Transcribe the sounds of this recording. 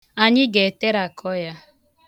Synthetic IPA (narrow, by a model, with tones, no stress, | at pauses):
a˨ɲɪ˦ɡe˨te˦ɾa˨kʰɔ˦ja˦